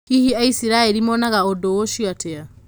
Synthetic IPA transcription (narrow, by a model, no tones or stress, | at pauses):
kihiaisiɾaelimɔnaɣaodowoʃiatea